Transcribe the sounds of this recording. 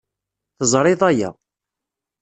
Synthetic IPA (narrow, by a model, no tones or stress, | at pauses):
θəzˤɾˤɪðˤæjæ̰